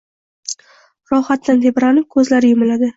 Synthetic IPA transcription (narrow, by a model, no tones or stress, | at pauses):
ɾɒhat̪ːant̪ʰebɾanɪp̚kʰɵzlaɾɪjʊmɪlad̪ɪ